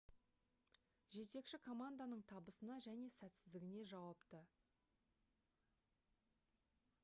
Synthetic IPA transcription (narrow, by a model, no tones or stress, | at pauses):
ʒe̞t̪e̞kʃɪkʰo̞mand̪anəɴt̪ʰɑbəsənɑʒæne̞sæt̪sɪzd̪ɪɡʲɪne̞ʒɑwɑpt̪ə